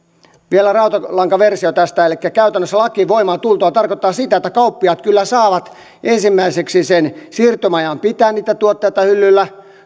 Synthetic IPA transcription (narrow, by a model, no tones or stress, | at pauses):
ʋielærɑut̪ɑlɑŋkɑʋersiot̪æst̪æelikːækæyt̪ænːøsːælɑkiʋoimɑːt̪ult̪oɑt̪ɑrkot̪ːɑːsit̪æet̪ːækɑupːiɑt̪̚kylːæsɑːʋɑt̪ | ʔensimːæiseksisensirt̪ømɑjɑmpit̪æːnniːt̪æt̪uot̪ːeit̪ɑhylːylːæ